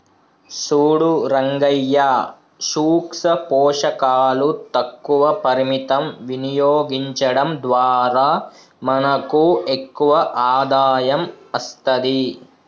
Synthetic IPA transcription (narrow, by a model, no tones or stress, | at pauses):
suːɽuɾɐŋɡɐjːa | ʃuːksɐpɔːʂɐkaːlut̪ɐkːuʋɐpɐɾimit̪ɐmʋinijoːɡiɲt͡ʃɐɽɐmd̪ʋaːɾaː | mɐnɐkuekːuʋɐʔaːd̪aːjɐmɐst̪ɐd̪i